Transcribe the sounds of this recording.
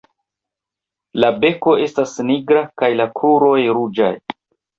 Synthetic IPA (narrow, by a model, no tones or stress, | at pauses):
labe̞ko̞e̞stasniɡɾakajlakʰuɾo̞jɾud͡ʒa̰j